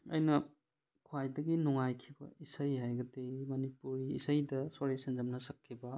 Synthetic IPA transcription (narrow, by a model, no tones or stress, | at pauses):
ɐ̰jnɐ | kʰwajdɐɡinuŋajkʰibɐ̰isɐjhajɡɐdemɐnipuɾiːsɐjdɐsoɾesend͡ʒɐmnɐsɐkʰːibɐ